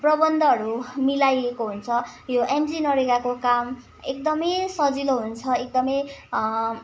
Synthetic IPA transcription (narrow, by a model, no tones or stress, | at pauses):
prʌbʌnd̪ʱʌɦʌɾumilajekoɦunt͡sʰʌjoʔemd͡zinʌɾekakokam | ek̚d̪ʌmʌjsʌd͡ziloɦunt͡sʰʌek̚d̪ʌmʌj